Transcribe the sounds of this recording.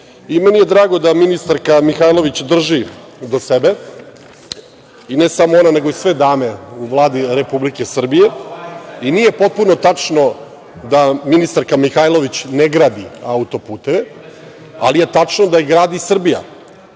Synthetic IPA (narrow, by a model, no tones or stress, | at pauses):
imenije̞d̪ɾaːɡod̪aminist̪aɾkamixajlˠo̞ʋit͡ɕd̪r̩ʒi | d̪osebe̞ | inesamoonane̞ɡoisʋe̞d̪aːmeuʋlˠaːd̪iɾe̞publike̞sr̩bije̞ | iniːje̞po̞t̪̚puno̞t̪at͡ʂno̞ | d̪aminist̪aɾkamixajlˠo̞ʋit͡ɕneɡɾaːd̪iaut̪o̞puːt̪e̞ʋe | a̰lije̞t̪at͡ʂnod̪ajiɡɾaːd̪isr̩bija̰